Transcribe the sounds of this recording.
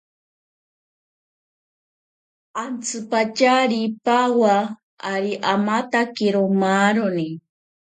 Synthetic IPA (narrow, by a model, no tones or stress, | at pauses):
ant͡sʰɨpat͡ʃaɾipawaː | ɾiʔamat̪akiɾomaɾoni